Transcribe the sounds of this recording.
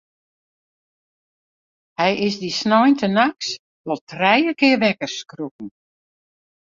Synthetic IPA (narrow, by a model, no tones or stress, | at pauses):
hɛjɪsdisnɔjntənaks | ʋɔlˠtʰrɛjəkɪːʋɛkəskruk̚n̩